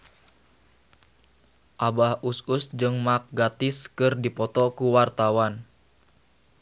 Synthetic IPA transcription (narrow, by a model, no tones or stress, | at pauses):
ʔabahususd͡ʒɨŋmak̚ɡat̪ɪskɨrdipɔt̪ɔkuwart̪awan